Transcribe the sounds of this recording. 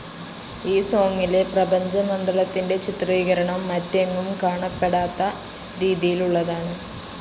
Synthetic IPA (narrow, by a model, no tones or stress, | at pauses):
iːso̞ːŋːile̞prɐbɐɲd͡ʑɐmɐnd̪rɐlɐt̪ːinde̞t͡ɕit̪riːɣɐɾɐɳɐmːɐtːɐŋːumkaːɳɐpːe̞ɽaːt̪ːɐ | ɾiːðijiluɭːɐðaːɳɨ